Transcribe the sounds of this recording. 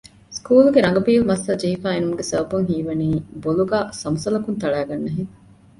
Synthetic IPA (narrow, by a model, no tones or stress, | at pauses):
skuːluɡeɾɐŋɡɐbiːlmɐsːɐd͡ʒeɦifaːenumuɡesɐbɐbuŋɦiːʋɐniːboluɡaːsɐmɐsɐlɐkunt̪ɐɭæːɡɐnːɐɦiŋ